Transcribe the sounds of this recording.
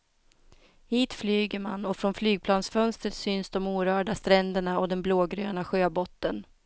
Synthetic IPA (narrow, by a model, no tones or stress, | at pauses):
hiːt̪flyːɡəɾmanɔfɾɔnflyːɡ̚pʰlɑːnsfœnst̪ɾət̪synsd̪ɔmuːɾœːɖast̪ɾɛnd̪əɳaɔd̪ɛnbloːɡɾø̰ːnaɧøːbɔt̪ːən